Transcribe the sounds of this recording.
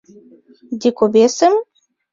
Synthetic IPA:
d̪ʲikobʲesɨm

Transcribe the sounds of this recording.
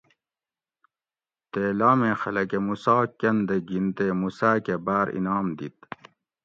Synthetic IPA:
t̪eːlaːmẽːxɐlɐkemusɑːkːɐnd̪eɡint̪eːmusaːkebaːɾḭnaːmd̪ḭt̪

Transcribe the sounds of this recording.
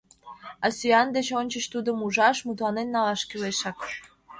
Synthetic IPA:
ɑsyɑnd̪et͡ɕonʲt͡ɕəɕt̪ud̪ə̆muʒɑʃmut̪lɑnenːɑlɑʃkyleʃɑk

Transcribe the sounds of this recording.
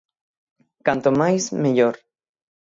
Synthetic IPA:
kant̪omajzmeʎoɾ

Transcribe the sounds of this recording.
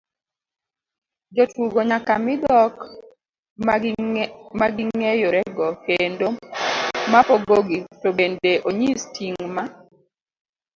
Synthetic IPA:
d͡ʒɔtuɡoɲakamɪd̪ɔk | maɡiŋejoɾɛɡɔkendo | mapɔɡoɡitobendeʔoɲistʰiŋma

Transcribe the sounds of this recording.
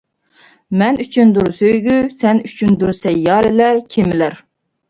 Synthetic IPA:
mɛnyt͡ʃʰynd̪uɾsøjɡʲysɛnyt͡ʃʰynd̪uɾsɛjːɑːɾɪlæɾkʲʰemɪlæɾ

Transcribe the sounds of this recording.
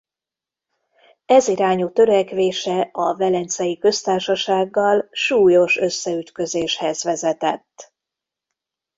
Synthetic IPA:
ɛziɾaːɲut̪ø̞ɾɛkʋeːʃɛɒvɛlɛnt̪sɛjikø̞st̪aːrʃɒʃaːɡːɒlʃuːjo̞ʃø̞sːɛyt̪kø̞zeːʃhɛzʋɛzɛt̪ɛt̪ː

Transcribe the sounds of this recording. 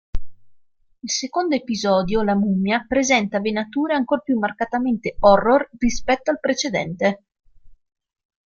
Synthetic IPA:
ilsekond̪oepizɔːd̪jolamumjapɾezɛnt̪avenat̪uːɾeaŋkorpjumːarkat̪ament̪eɔrːorrispɛt̪ːoalpɾet͡ʃed̪ɛ̰nt̪e

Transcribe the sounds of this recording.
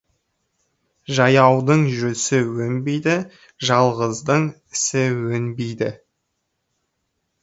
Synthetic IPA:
ʒɑjɑwd̪əɴʒɵsɪwɵnbejd̪ɪ | ʒɑlˠʁəzd̪əɴ | ɪsɪwɵnbejd̪ɪ

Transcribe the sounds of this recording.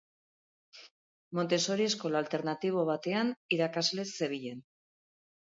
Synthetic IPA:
mo̞nt̪e̞so̞ɾiesko̞lalt̪e̞ɾnat̪iβ̞oβ̞at̪e̞aniɾakazle̞sːe̞βiʎe̞n

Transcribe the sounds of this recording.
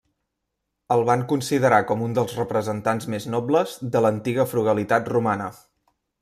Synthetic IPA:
əlˠβaŋkunsiðəɾakɔmund̪əlˠzrəpɾəzənt̪anzmeznɔbləzðələnt̪iɣəfɾuɣəlit̪at̪rumanə

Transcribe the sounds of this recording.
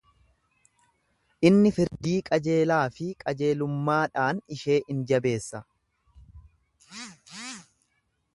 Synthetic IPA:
ʔɪnːɪfɪɾd̪iːkʼɐd͡ʒe̞ːlaːfɪkʼɐd͡ʒe̞ːlʊmːaːᶑaːnɪʃe̞ːʔɪnd͡ʒɐbe̞ːsːɐ

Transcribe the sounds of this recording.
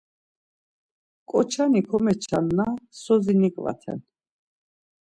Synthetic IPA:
kʼɔt͡ʃʰanikʰɔmɛt͡ʃʰanːasɔzinikʼva̰t̪ʰɛ̰n

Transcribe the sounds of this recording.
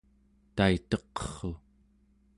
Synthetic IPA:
t̪ait̪ʌqʌ̥χo

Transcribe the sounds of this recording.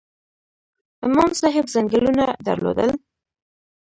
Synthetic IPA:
ɪmɑmsɑɦɪbzaŋɡəlunad̪a̰ɾlo̰d̪əl

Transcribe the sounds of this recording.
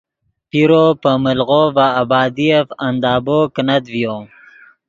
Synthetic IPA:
piɾopəməlɣovaːbɑːd̪ijefand̪ɑːboknad̪vjo

